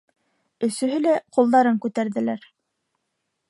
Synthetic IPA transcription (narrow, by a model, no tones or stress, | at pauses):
ɵ̆sɵ̆ɦɵlæqulˠd̪ɑɾɤŋkʉt̪æɾðɘ̆læɾ